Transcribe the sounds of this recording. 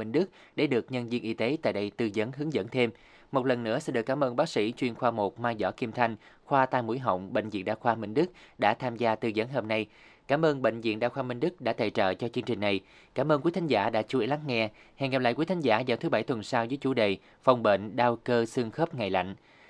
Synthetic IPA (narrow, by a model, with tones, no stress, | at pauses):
mï˧ŋ̟ɗɨ˦˥k̚ | ɗḛ˧˩ɗɨ˨˩ək̚ɲə˧nzi˧ənʔi˧t̪e˨˦t̪a̰ː˧˨jɗə˧jt̪ɨ˧zə˨˦nɦɨ˨˦əŋzə̰˧˥nt̪ʰe˧m | mo˨˩t̚lə˨˩nːɨ̰˧˥əsɛ̰˧˥nɗɨ˨˩kːaː˨˦mʔəː˧nɓaː˦˥k̚sḭ˧˥t͡ɕwi˧ənxwaː˧mo˨˩t̚maː˧jzɔ̰˧˥ki˧mt̪ʰa˧jŋ̟xwaː˧t̪aː˧˩jmṵ˧˥əjɦə̰˧˨wŋ͡mɓḛ˧˨jŋ̟zḭ˧˨ənɗaː˧˩xwaː˧mï˧ŋ̟ɗɨ˦˥k̚ɗa̰ː˧˥t̪ʰaː˧mzaː˧t̪ɨ˧zə˨˦nɦo˧mna˧j | kaː˧˦mʔəː˧nɓḛ˧˨ŋ̟zḭ˧˨ənɗaː˧wxwaː˧mï˧ŋ̟ɗɨ˦˥k̚ɗa̰ː˧˥t̪ʰə̰˧˨t͡ɕə̰ː˧˨t͡ɕɔ˧t͡ɕɨ˧əŋt͡ɕï˨˩ŋ̟na˨˩j | kaː˧˦mʔəː˧nkwi˨˦jt̪ʰa˨˦ŋzaː˧˩ɗa̰ː˧˥t͡ɕu˧˦əla˨˦ŋŋɛ˧hɛ˧˩ŋa˨˩p̚la̰˧˨jkwi˨˦t̪ʰa˨˦ŋzaː˧˩zaː˨˩wt̪ʰɨ˨˦ɓa˧˩jt̪ʰwə˨˩nsaː˧wzə˨˦jt͡ɕu˧˩ɗe˨˩ | fa˨˩wŋ͡mɓḛ˧˨nɗaː˧wkəː˧sɨ˧əŋxə˦˥p̚ŋa˨˩jla̰˧˨jŋ̟